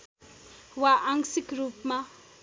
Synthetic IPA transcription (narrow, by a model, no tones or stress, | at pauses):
waʔaŋsikɾup̚mɐ